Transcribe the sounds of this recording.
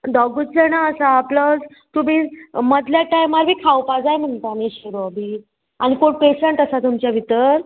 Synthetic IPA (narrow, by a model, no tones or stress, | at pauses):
d̪ɔɡut͡slenaəsaːplɔd͡z | t̪um̤iːməd̪ljaʈajmaɾbʱiːkʰawpad͡zajm̤əɳt̪aniɕeɾoabʱi | aɽ̃ikoɳpeɕəɳʈəsat̪umt͡ɕjaʋʱit̪əɾ